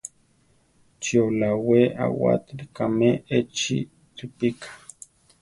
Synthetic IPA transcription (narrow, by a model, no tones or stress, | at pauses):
t͡ʃiolawea̰wa̰t̪likameet͡ʃḭ | t̪upikʰḁ